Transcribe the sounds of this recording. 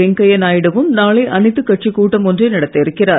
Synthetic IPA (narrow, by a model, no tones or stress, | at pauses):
ɛŋkɐjɐnaːjɪɽɐʋɯmnaːɭɐʔɐnɪt̪ːɯkːɐʈ̚t͡ʃikːuːʈːɐmɔndrɐɪnɐɽɐt̪ːɐɪɾɯkːɪraː